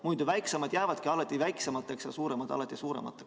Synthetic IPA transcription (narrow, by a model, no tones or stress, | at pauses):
mujd̪uvæjksemɑd̪̥jæːvɑd̪̥kiɑlɑt̪ːˑivæjksemɑt̪ˑːe̞ksjɑsuːɾemɑd̪ɑ̰lɑt̪ːˑisuːɾḛmɑ̰t̪ːˑek